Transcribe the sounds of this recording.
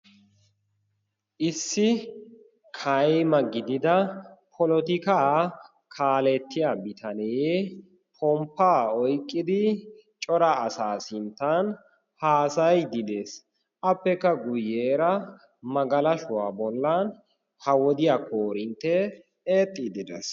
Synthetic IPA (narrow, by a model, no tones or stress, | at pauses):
ʔɪsːɪ | kʰɐjmɐɡɪd̪ɪd̪ɐpʰɔlɔt̪ɪkaː | kʰaːlɛt̪ːɪjaːbɪt̪ʰɐnɛj | pʰɔmpːaːɔjkʼːɪd̪ɪ | t͡ʃʼɔɾɐːsaːsɪnt̪ːɐn | haːsɐjd̪ɪd̪e̞s | ʔɐpːɛkːɐɡʊjːe̞ːɾɐ | mɐɡɐlɐʃʊwaːbɔlːɐn | hɐwɔd̪ɪjakʰoːɾɪnt̪ːɛ | eːt̪ʼːɪd̪ɪd̪ɛ̰s